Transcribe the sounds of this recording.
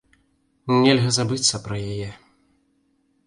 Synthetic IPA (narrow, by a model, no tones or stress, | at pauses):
nʲɛlʲɣɐzabɨt̪sːɐpɾɐjajɛ